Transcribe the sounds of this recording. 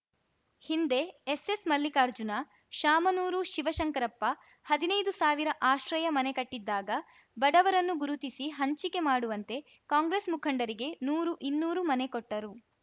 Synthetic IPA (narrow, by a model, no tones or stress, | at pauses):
hind̪e̞ːse̞smɐlːikaːɾd͡ʒunɐ | ʃaːmɐnuːɾuʃiʋɐʃɐŋkɐɾɐpːɐ | hɐd̪inɐjd̪usaːʋiɾɐʔaːʃɾɐjɐmɐne̞kɐʈːid̪ːaːɡɐ | bɐɖɐʋɐɾɐnːuɡuɾut̪isiɦɐɲt͡ʃike̞maːɽuʋɐnt̪e̞ | kaːŋɡɾesmukʰɐɳɖɐɾiɡe̞nuːɾuʔinːuːɾumɐne̞koʈːɐɾu